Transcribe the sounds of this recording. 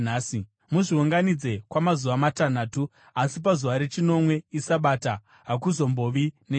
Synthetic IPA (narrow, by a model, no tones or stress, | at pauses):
aːsi | muʐiuŋɡanid͡ze̞kwamazuʋamatan̤aːtu | asip̬azuʋaɾe̞t͡ʃino̞mwe̞isaɓata | ɦakuzo̞mbo̞ʋine